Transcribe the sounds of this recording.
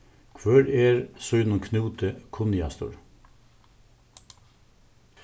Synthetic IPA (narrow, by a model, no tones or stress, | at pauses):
kʰʋøːɾeːɾsœʏnʊŋkʰnuːt̪əkʰʊnɪɑ̰st̪ʊ̰ɾ